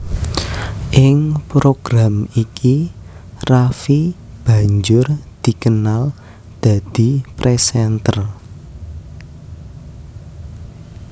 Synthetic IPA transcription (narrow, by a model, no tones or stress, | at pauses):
ʔɪŋpɾoɡ̥ɾamikʰi | rafi | b̥a̤ɲd͡ʒʊrd̪̥i̤kənal | d̪̥ä̤d̪̥i̤pɾesɛnt̪ər